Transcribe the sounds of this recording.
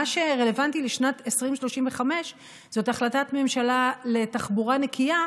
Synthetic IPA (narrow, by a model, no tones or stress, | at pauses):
aʃe̞ʁe̞levantiliʃnatesʁimʃlo̞ʃimveχame̞ʃ | z̥o̞taχlatatme̞mʃalale̞taχbuʁanekʰia